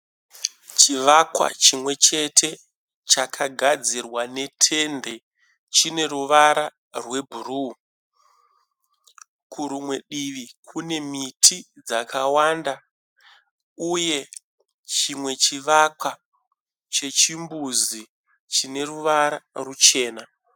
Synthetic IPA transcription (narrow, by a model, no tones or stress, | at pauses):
t͡ʃiʋakwa̰t͡ʃimwe̞t͡ʃe̞tʰe̞ | t͡ʃakʰaɡʱad͡zirwane̞tʰe̞nde̞ | t͡ʃine̞ruʋaɾa | rwe̞bʱuru | kʰuɾumwe̞ɗiʋikʰune̞mitʰid͡zakʰawanda | uje̞ | t͡ʃimwe̞t͡ʃiʋakwa | t͡ʃe̞t͡ʃimbuzi | t͡ʃine̞ruʋaɾarut͡ʃe̞ːna